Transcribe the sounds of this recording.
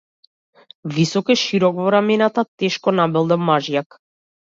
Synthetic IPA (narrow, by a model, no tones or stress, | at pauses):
visɔkɛʃiɾɔkvɔɾamɛnat̪at̪ɛʃkɔnabɛlˠd̪ɛmːaʒjak